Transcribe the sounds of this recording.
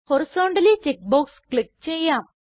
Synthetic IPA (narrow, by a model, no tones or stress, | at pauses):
hoɾsoːɳɖɐlit͡ɕek̚boːkskɭik̚t͡ɕejːaːm